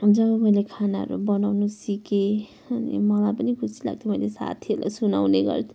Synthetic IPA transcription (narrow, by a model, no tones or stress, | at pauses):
d͡zʌbʌmʌjlekʰanaɦʌ̰ɾṵbʌnawnusike | ʌnḭmʌlajpʌnikʰusʰi̥la̰ɡ̚t̪ʰimʌilesa̰t̪ʰieɾla̰suna̰wneɡʌ̰rt̪ʰi